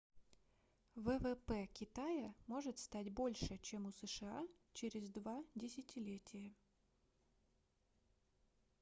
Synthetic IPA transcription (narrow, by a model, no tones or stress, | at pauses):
vɛvɛpɛkʲɪt̪ajəmo̞ʐɨt̪st̪atʲbo̞lʲʂɨt͡ɕemʊsəʂɨa̰t͡ɕeɾʲɪzd̪vadʲɪsʲɪtʲɪlʲetʲʰɪjə